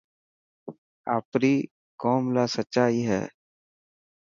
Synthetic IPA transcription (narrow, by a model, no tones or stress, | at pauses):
a̰ːpɾiː | koːmlaːsətːʃaːiːɦɛ̰ː